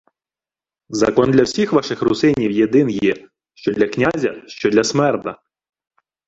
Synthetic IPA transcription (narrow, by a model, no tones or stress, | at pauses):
zɐkɔnd̪lʲɐwsʲixʋɑʃɪxɾʊsɪnʲiwjed̪ɪnjɛ | ʃt͡ʃɔd̪lʲɐknʲazʲɐʃt͡ʃɔd̪lʲɐsmɛrt̪ɐ